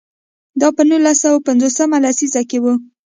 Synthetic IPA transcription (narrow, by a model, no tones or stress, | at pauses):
d̪ɑpənulasawapand͡zosəmalasizakewu